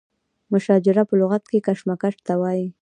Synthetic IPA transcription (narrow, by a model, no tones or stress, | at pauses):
mʊʃɑd͡ʒɪɾapəlʊɣat̪kekaʂmakaʈt̪awɑji